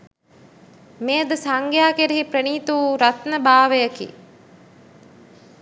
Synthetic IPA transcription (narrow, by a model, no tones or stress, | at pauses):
meːd̪əsaŋɡjaːkeɾiɦipɾeniːt̪uɾɐt̪nəbaːʋejəkḭ